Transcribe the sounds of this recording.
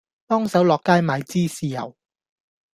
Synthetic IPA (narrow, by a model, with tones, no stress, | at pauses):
t̪ɔː˥ŋsɐ˨˥wlɔː˨kːaː˥jmaː˨jt͡siː˥siː˨˩jɐ̰˨˩w